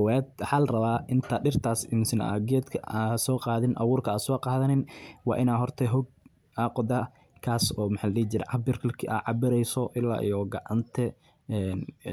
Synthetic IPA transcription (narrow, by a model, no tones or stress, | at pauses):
wɛːd̪wɑħaːlɐrɐβaːʔɪnt̪ʰaːɖɪrt̪ʰaːsɪnsɪna̰ɡɛːd̪kʰɐasɔːqɑːðɪnʔɑ̰wuːrkʰɐaːsɔːqɑːðɐnɪnwɑ̰ːʔɪnaːɦɔrt̪ʰɛɦʊɡ̚ | aːqɔd̪ɐ | kʰaːsɔːmħaːllɛːt͡ʃɪɾɛ̰ʕɑbɪrkʰɐkʰʔa̰ːʕɑbɪɾɛjsɔʔɪlːa̰ːʔḭjɔɡɑʕɑnt̪ʰɛ | ɛːn